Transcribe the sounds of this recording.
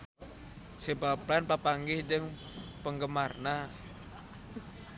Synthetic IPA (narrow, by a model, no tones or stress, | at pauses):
sebaplanpapaŋɡɪhd͡ʒəŋ | pəŋɡəmarna